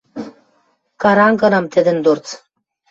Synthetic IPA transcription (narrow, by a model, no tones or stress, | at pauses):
kaɾaŋkənamt̪ed̪end̪oɾt͡s